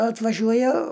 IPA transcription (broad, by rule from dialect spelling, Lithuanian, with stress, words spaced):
ɐtʋɐˈʒʲuɔjɛ